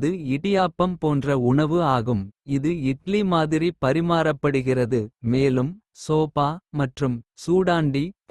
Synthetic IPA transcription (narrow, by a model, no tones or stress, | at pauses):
ðɯɪɽɪjaːpːɐmpoːndrɐʊɳɐʋɯaːɣɯmɪðɯɪʈlimaːðɪɾipɐɾɪmaːɾɐpːɐɽɯɣɪrɐðɯmeːlɯm | soːpaːmɐʈrɯmsuːɽaːɳɖi